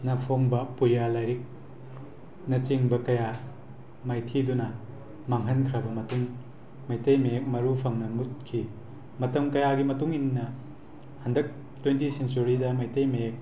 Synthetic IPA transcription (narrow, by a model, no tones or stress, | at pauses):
nɐpʰoŋbɐpujalajɾik̚ | nɐt͡ʃiŋbɐkɐja | majtʰidunɐ | maŋɦɐnkʰɾɐbɐmɐtuŋ | majtɐjmejek̚mɐɾupʰɐŋnɐmut̚kʰi | mɐtɐmkɐjaɡimɐtuŋinːɐ | hɐndɐk̚ | twentisent͡ʃuɾidɐmajtejmeek̚